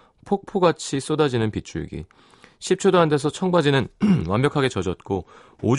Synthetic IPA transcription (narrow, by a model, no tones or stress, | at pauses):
pʰok̚pʰoɡat͡ɕʰis͈odad͡ʑinɯnpit͡ɕʰuɭ̰ɡḭ | ɕʰip̚t͡ɕʰodoɦantʰe̞sʰʌt͡ɕʰʌŋbad͡ʑinɯnwambjʌkʰaɡe̞t͡ɕʌd͡ʑʌt̚k͈o | od͡ʑ